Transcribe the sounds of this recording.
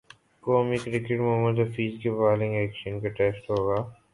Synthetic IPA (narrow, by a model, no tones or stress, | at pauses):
koːmikɾɪkɪʈmoməɖɐfiːzkepaːlɪ̃ŋɡɛːkʃənkaʈɛːsʈɦoːɡaː